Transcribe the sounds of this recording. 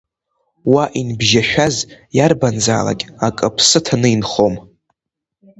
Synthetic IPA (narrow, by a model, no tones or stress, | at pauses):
waʔinbʒaʃᶣazjarband͡za̰ːla̰kʲʼakʼɨpʰsɨtʰanɨinχo̞m